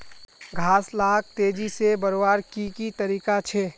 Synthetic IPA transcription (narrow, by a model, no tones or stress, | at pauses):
ɡʱaːslaːk̚t̪eːd͡ʒisebəɾobaːɾkikit̪əɾiːkat͡ʃʰe